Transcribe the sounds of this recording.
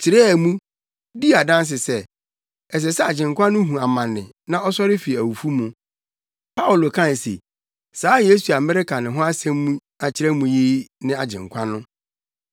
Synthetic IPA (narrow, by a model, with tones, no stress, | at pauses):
t͡ɕʰɪ˨ɾɛ˦˨mũ˦ | di˦a˨dã˦n˦s̬ɪ˨sɛ˦˨ | ɛ˨s̬ɛ˨sɛ˦a˨d͡ʑɪ̃˨ŋ˨kʷʰã˦nʊ̃˦ɦũ˨a˨mã˨nːɪ̰̃˨ | nã˦ɔ˦sɔ˦ɾɪ˦fi˨æ˨wu˨fu˦mũ˨ | pʰa˦ʊ˨lo˨kʰã˦n˨sḛ˨ | saː˨˦je˦su˨a˨mɪ̃˦ɾɪ˦kʰa˨nɪ̃˨ɦʊ̃˦a˦sɛ̃˦mː˦ũ˦ | a˨t͡ɕʰɪ˦ɾɛ˦mũ˨ji˦nɪ̃˦a˨d͡ʑɪ̰̃˨ŋ˨kʷʰã˦nʊ̃˦